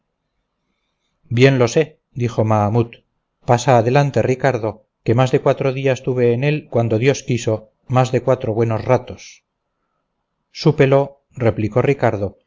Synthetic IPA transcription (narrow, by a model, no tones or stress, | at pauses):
bje̞nlo̞se | d̪iχo̞maːmut̪ | pasaːðe̞lant̪e̞rikaɾðo̞ | ke̞mazðe̞kwat̪ɾoðiast̪uβe̞ːnelkwand̪oðjo̞skiso̞ | mazðe̞kwat̪ɾo̞βwe̞no̞zrat̪o̞s | supe̞lo̞ | re̞pliko̞rikaɾðo̞